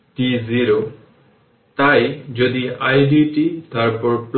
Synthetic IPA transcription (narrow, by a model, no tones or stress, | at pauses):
ʈiziɹo | t̪ajzod̪iajdiʈit̪aɹpɔɹpl